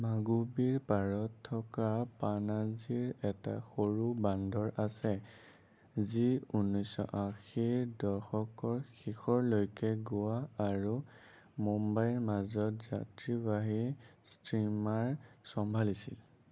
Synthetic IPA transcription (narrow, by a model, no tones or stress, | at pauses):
maɡubiɹpaɹɔtʰːɔkapanaziɹɛta̰xoɹubandʱɔɹasɛ | ziunːɔjsɔ̰ʔaxiɹdɔɹxɔkɔɹxixɔɹlojkɛɡʊwaːɹu | mɔmbajɹmazɔtzatɹibaɦistɹimaɹsɔmbʱalisḭl